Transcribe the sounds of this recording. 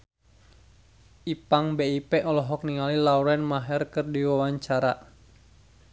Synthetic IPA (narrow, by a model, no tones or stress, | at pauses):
ʔipaŋbeipɛʔɔlɔɦɔk̚niŋalilauɾɛnmaɦɛrkɨrdiwawaɲt͡ʃaɾa̰